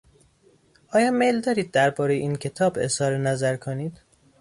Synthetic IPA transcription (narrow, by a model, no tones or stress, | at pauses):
ʔɒːjɒːmejld̪ɒːɾiːd̪̚ːæɾbɒːɾejeiːncʰe̞t̪ʰɒːbe̞shɒːɾenæzæɾkʰoniːd̪̥